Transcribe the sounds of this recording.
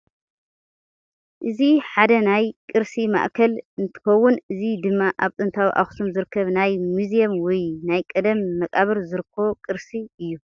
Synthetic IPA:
ʔɨziħad̪ɐnajkʼɨɾsima̰ʔkʰɐlɨnt̪ʰɨ̥xɐwːʊnɨzid̪ɨmːaʔaβt̪ʼɨnt̪ʰawiʔa̰xsʰomzɨɾɨkʰːɐβnajmuzijɐmwɔjnajkʼɐd̪ɐmːɐkʼaβɨɾzɨɾɨkʰːo̞kʼɨɾsiɨjːu

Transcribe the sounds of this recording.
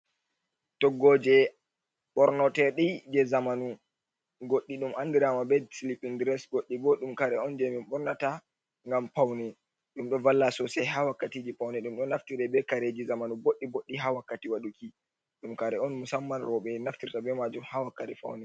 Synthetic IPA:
tɔɡːɔd͡ʒɛ | ɓɔɾnɔtɛɗid͡ʒɛzamanu | ɡoɗːiɗumʔandiɾamabɛdsilipindɾɛsɡoɗːibɔɗumkaɾɛɔnd͡ʒemimɓɔɾnata | ŋɡampawnɛ | ɗumɗɔvalːasɔsɛɦawakːatid͡ʒipawnɛɗumɗɔnaftiɾɛbɛkaɾed͡ʒizamanuboɗːiboɗːiɦawakːatiwaɗuki | ɗumkaɾɛɔnmusamːanɾɔɓɛnaftiɾtabɛmad͡ʒumhawakːatɛfa̰wnɛ

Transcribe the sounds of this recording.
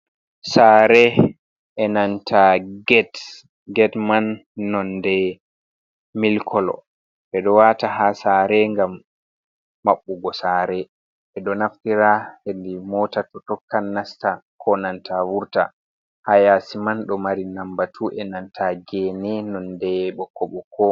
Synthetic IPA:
saːɾɛ | ʔɛnantʰaɡɛt | ɡɛtmanːɔndɛ | milkʰɔlɔ̰ | ɓɛɗɔwataɦasaːɾɛŋɡamː | aɓːuɡɔsaɾɛ | ɓɛɗɔnaftiɾahendimɔtatɔtɔkːanːastakʰɔnantʰawuɾta̰ | hajasimanɗɔmaɾinambatʰuʔɛnantʰaɡɛnɛnɔndɛɓɔkːɔɓɔkʰɔ

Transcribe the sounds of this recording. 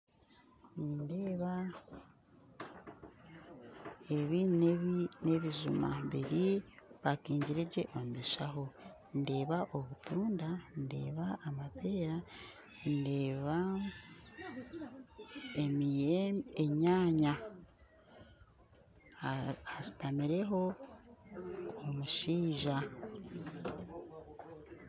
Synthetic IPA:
niːnde̞ːβa | eβineβine̞βiʒuma̰βiɾiβakiːɲɟiɾeɟeʔomudeʃaho̞ | nde̞ːβaʔo̞βutuːndande̞̰ːβaːmape̞ːɾa | nde̞ːβa | emijeeɲaːɲa | asi̥tamiɾe̞ɦo̞ | omuʃiːʒa

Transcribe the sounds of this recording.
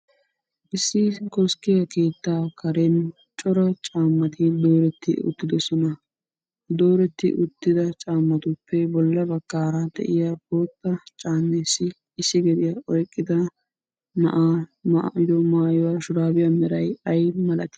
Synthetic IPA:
ʔɪsːɪkɔskːɪjɐkeːt̪ːaːkʰɐɾɛn | t͡ʃʼɔɾɐt͡ʃʼaːmːɐt̪ɪd̪o̞ːɾɛt̪ːɪ̰ʊ̰t̪ːɪd̪ɔsɔnɐ | d̪o̞ːɾɛt̪ːɪ̰ʔʊt̪ːɪd̪ɐt͡ʃʼaːmːɐt̪ʊpːɛbɔlːɐbɐkːaːɾɐd̪ɛ̰ʔɪjaboːt̪ːɐt͡ʃʼaːnːesɪː | sːɪɡɛd̪ɪjaʔɔjkʼːɪd̪ɐ | nɐ̰ʔamaʔɪd̪ɔmaːjɔwaʃʊɾaːbɪjamɛɾɐjɐjmɐlɐt̪ɪ̥

